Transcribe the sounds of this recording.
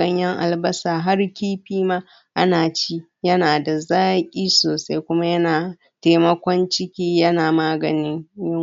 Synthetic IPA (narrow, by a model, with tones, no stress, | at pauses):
ɐ˦ɲjɐ˦ŋʔa̰˨lbɐ˦saː˨ɦa˦rkʲiː˦ɸiː˦maː˦ | ʔa˦naː˨t͡ʃi˦ | jɐ˦naː˨da˨zaː˦kʲʼiː˦soː˨sa˦jkʷʊ˦ma˦jɐ˦naː˨ | teː˦mɐ˦kʷɔ˦nt͡ʃɪ˦kʲiː˦jɐ˦naː˨maː˦ɡɐ˨nɪ˦ɲjɪ˦